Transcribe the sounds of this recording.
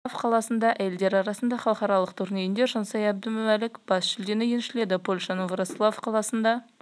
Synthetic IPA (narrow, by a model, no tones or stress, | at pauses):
fqʰɑlˠɑsənd̪ɑʔæje̞ld̪e̞ɾɑɾɑsənd̪ɑχɑlˠqɑɾɑlˠəqt̪ʰʏɾnejɪnd̪e̞ɾʒənsɑjɑb̚d̪əmʊmælɪkb̥ɑsʃɪld̪e̞nɪjenʃɪle̞d̪ɪpʰo̞lʲʃɑnəvɾoslˠofqʰɑlˠɑsənd̪ɑ